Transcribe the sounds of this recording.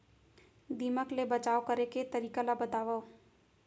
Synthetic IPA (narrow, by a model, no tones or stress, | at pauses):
d̪iːməklebɐt͡ʃaːokɐɾeket̪ɐɾiːkalabɐt̪aːʋa